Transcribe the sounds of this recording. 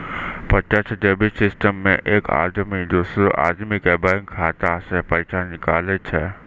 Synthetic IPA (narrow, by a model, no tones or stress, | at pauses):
pɐt͡ʃət͡ʃʰɖ̪eːbisɪsʈəmːẽʔeːkʰa̰ːd̪mid͡ʒoːsoʔa̰ːd̪mikebãŋkʰaːt̪asɛpəɪsanɪkaːlet͡ʃʰɛː